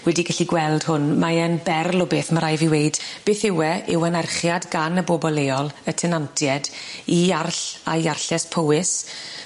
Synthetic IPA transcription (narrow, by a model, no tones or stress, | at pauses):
wɛdiɡaɬiɡwɛlˠd̥hʊnmaənbɛrlˠɔbeːθmaɾajviwejd̥b̥eːθɪwɛʔɪwənarχjadɡanəbɔbɔlˠeːɔlˠətʰɛnantʰjɛdiarɬa̰jarɬɛspʰowɪs